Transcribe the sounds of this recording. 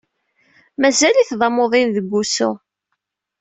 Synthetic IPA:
mæzæliθðˤɑmoðˤinðəɡʷːusʊ

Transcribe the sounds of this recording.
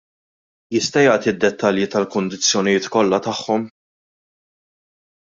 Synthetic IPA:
jɪst̪ɐjɐːt̪id̪ːɛt̪ːɐljit̪ɐlkʊnd̪ɪt͡sːjɔnɪjɪːt̪kɔlːɐt̪ɐħːɔm

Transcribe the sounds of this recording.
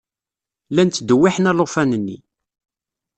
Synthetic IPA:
lænt̪ːd̪əwːiħnælofænənːḭ

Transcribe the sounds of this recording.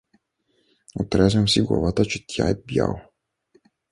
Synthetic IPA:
ɔt̪ɾɛzɛmsiɡɔ̰vat̪at͡ʃit̪ja̰jbja̰w

